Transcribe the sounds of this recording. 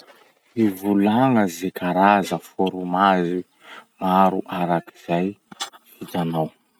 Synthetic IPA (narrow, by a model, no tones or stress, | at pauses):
ivulaŋəzekʰaɾazəfoɾumazi | maɾuʔaɾaki̥z̥aj | id͡ʒanaw